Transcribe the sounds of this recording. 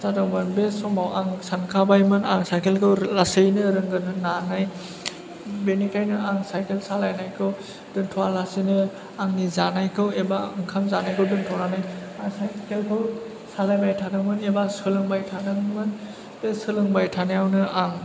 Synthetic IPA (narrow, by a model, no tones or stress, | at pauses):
sadɯŋmɯnbesɔmawʔaŋsankʰabajmɯnaŋsajkʰelkʰɯwlasɯjnɯɾɯŋɡɯnɯnanaj | benikajnɯʔaŋsajkʰelsalajnajkʰɯw | d̥ɯntʰɔalasinɯ | aŋnizanajkʰɯwebaŋkʰamzanajkʰɯwdɯntʰɔnanajaŋsajkʰelkʰɯw | salajbajtʰadɯŋmɯnebasɯlɯŋbajtʰadɯŋmɯn | besɯlɯŋbajtʰanɯjawnɯaŋ